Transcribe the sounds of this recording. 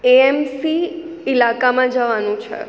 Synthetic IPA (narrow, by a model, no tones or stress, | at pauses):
eɛmsi | ɪlakamãd͡ʒəʋanũt͡ʃʰḛ